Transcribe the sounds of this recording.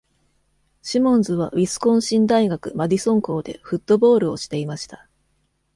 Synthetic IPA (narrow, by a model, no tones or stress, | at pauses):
ɕimõ̞nzɨβ̞abʲisɨ̥kõ̞ɰ̃ɕĩnd̪aiɡakɯ̟mad̪ʲisõ̞ŋko̞ːd̪e̞̰ɸɯ̟t̪ːo̞bo̞ːɾɯ̟o̞ɕi̥t̪e̞imaɕi̥t̪ḁ